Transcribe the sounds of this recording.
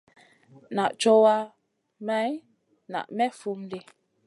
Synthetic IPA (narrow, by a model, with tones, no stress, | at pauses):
na˨ʔt͡ʃɔ˦wa˦ | mɛ˨˦j | na̰˨ʔmɛ˦fu˦m˦de˦